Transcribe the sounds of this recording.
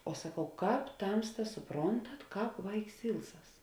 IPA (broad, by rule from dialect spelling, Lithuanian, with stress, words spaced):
oː sɐˈkɐʊ ˈkɑːp ˈtɐmstɐs sʊˈproːntɐt ˈkɑːp ˈʋɐɪks ˈɪlˠˌsɐs